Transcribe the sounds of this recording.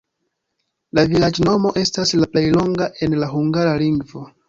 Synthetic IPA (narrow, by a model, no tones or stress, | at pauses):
lavilad͡ʒno̞mo̞ʔe̞staslaple̞jlo̞ŋɡaʔe̞nlaɦuŋɡaɾaliŋɡvo̞